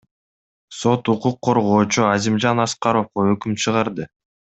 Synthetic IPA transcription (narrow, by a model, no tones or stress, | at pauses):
so̞t̪uquqʰːo̞ɾʁo̞ːt͡ʃuazimd͡ʒɑnɑsqɑɾo̞fqoøkymt͡ʃʰɯʁɑɾd̪ɯ